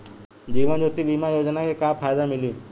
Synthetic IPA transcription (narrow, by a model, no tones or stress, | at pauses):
d͡ʒiːʋənd͡ʒoːt̪ibiːmajoːd͡ʒnakekaːpʰaːjd̪amɪlĩː